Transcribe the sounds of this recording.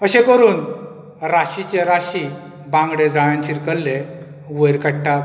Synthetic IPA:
əɕekəɾuːn | ɾaɕit͡ɕeɾaɕi | bãŋɡɽed͡zaɭ̃jãnt͡ɕiɾkəlːe | ʋəjɾkaɽʈa

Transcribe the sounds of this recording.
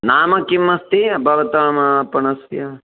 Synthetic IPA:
naːmɐkimːɐst̪ibʱɐʋɐt̪aːmɐpɐɳɐsjɐ

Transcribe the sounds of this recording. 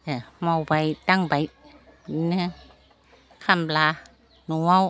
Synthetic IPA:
amawpajt̪aŋpaj | nɯ | kʰamblaː | nuaw

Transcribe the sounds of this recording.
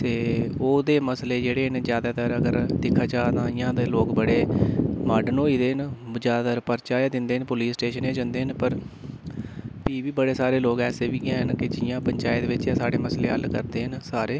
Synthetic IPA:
t̪eːoːd̪eːməsleːd͡ʒeːɽeːɦənzjaːd̪aːt̪əɾəɡəɾd̪ɪkʰːaːt͡ʃaːd̪ãːɪjãːd̪eːloːkbəɽeːmaːɖnoːiːd̪eːɦənd͡ʒjaːd̪aːt̪əɾpəɾt͡ʃaːjad̪ɪnd̪eːɦənpʊliːsʈeːʃənẽːd͡ʒə̃nd̪eːɦənpəɾ | piːʋiːbəɽeːsaːɾeːloːkɛːseːbiːɡãːɦənkɪd͡ʒɪjãːpəɲt͡ʃaːjd̪eːʋɪt͡ʃjaːsaːɽeːməsleːɦə̰lkəɾd̪eːɦənsaːɾeː

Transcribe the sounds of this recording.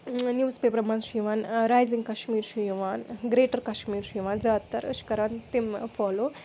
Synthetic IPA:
njuːspeːpəɾmanʃiʋaːnɾaːjzĩŋɡkɐʃmiːɾʃiʋaːnɡɾeːʈəɾkɐʃmiːɾʃiːʋaːnd͡zaːt̪ːɐɾəʃkɐɾaːnt̪imfɔːloː

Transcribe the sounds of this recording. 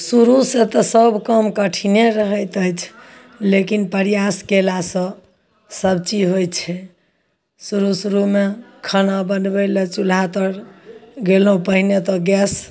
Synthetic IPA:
suɾuset̪ɔsəbʱkəmkəʈʰineɾəɦət̪əjt͡ʃʰ | lekinpəɾijaskelasə̃ | səbt͡ʃiɦojt͡ʃʰɛ | suɾusuɾumekʰənabənbɛlet͡ʃulat̪əɾɡeləɦũpəɦinet̪ɔɡɛs

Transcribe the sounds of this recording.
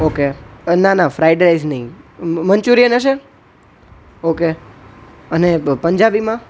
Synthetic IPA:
okenãnafɾajɖeɾajznəɦĩmənt͡ʃuɾijənaʃe | oke | ənepəɲd͡ʒabimã

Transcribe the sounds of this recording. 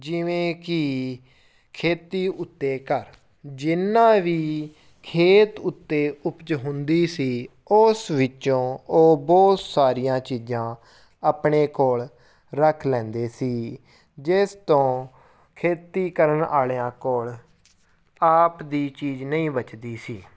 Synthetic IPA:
d͡ʒɪʋẽːkɪ | kʰeːt̪iːʔʊt̪ːeːkəɾ | d͡ʒɪnːãːʋiː | kʰeːt̪ʊt̪ːeːʊpt͡ʃɦʊnd̪iːsiː | ʊsʋɪt͡ʃõːoːbɔːt̪saːɾijãːt͡ʃiːd͡ʒãː | apɳeːkoːɭ | ɾəkʰlɛ̃ːnd̪eːsiː | d͡ʒɪst̪õː | kʰeːt̪iːkəɾənaːljãːkoːɭ | aːpd̪iːt͡ʃiːd͡ʒnəĩːbət͡ʃd̪iːsiː

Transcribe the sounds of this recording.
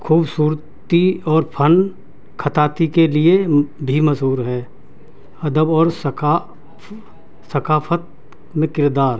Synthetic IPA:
kʰuːbsuːɾ | t̪iɔːɾpʰən | kʰət̪aːt̪ikeliebʱiməzɦuːɾɦɛː | ɐd̪əbɔːɾsəka | səkaːpʰət̪̚ | mẽkɪɾd̪aːɾ

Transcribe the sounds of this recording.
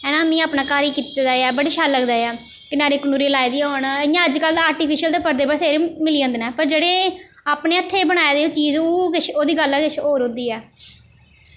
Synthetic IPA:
ɛːnãːmĩːaːpnãːkaːɾiːkiːt̪ed̪aːɛːbəɽeːʃaːlləɡd̪aːɛː | kɪnaːɾeːkənuːɾeːlaːid̪iːonɪjãːəd͡ʒkəlaːɾʈiːpʰiʃəlt̪eːpəɾd̪eːbəsʰeːɾimɪliːə̃nd̪nɛːpəɾd͡ʒeːɽeː | aːpneːət̪ʰːeːbəɽ̃aːeːd̪eːt͡ʃiːzoːkɪt͡ʃʰoːd̪iːɡəlkɪt͡ʃʰoːɾɦʊ̃nd̪iːɛː

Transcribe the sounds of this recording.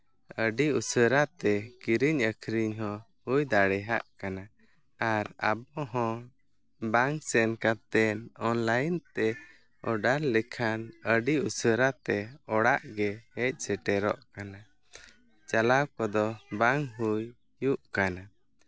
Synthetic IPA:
əɖiusəɾat̪ɛkiɾiɲəkʰɾiɲɦɔ̃ | hujd̪aɽɛɦa̰ʔkana | aɾa̰bɔɦɔ̃ | baŋsɛnkat̪ɛnɔnlajnt̪ɛ | ɔɖaɾlɛkʰanəɖiusəɾat̪ɛɔɽaʔɡɛhɛc̚ˀsɛʈɛɾɔʔkana | t͡ʃalawkɔd̪ɔbaŋɦujː | uʔkana

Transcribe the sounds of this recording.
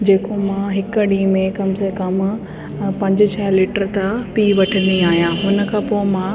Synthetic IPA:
d͡ʑeːkomãːɦɪkɖiːmẽkɐmsekɐm | pɐ̃ɲd͡ʑt͡ɕʰɐɦliːʈəɾt̪apiːʋɐʈʰə̃nd̪iaːɦijãːɦʊnə̆kʰãːpoːɪmãː

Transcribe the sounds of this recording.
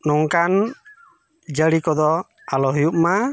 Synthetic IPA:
nɔŋkan | d͡ʒaɾikɔd̪ɔ | alɔɦijuʔma

